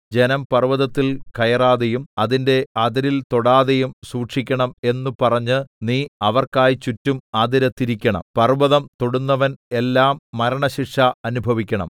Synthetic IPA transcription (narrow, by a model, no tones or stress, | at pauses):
d͡ʑe̞nɐmpɐrʋɐðɐt̪ːilkɐjɐraːðejumɐðinde̞ɐðɐɾilt̪o̞ɽaːðejumsuːʈʂikʲːɐɳɐme̞nːupɐrɐɲːɨniːɐʋɐrkaːjit͡ɕutːumɐd̪iɾɐt̪ːiɾikʲːɐɳɐ̰mpɐrʋɐðɐmt̪o̞ɽunːɐʋɐne̞lːaːmːɐɾɐɳɐɕiʂɐɐnubʱɐʋikʲːɐɳɐ̰m